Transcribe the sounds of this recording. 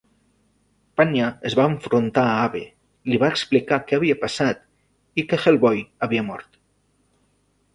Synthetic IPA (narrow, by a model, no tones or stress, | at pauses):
panjaəzβaəɱfɾunt̪aːaβe | liβaeksplikakɛaβiapasat̪ | ikexelˠβɔjaβiamɔ̰ɾt̪